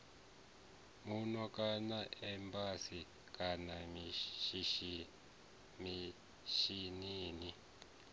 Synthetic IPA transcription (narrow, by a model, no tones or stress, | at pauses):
munɔkʼanaʔɛmpʰʼasi | kʼana | mi | ʃiniːni